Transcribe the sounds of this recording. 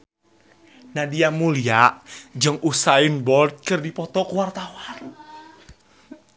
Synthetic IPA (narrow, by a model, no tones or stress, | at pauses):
nadiamuliaʔd͡ʒɨŋʔusainbɔlt̪̚kɨrdipɔt̪ɔkuwart̪awan